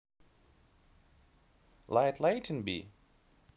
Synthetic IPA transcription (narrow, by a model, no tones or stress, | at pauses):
laɪtʰleɪtʰə̃nbḭ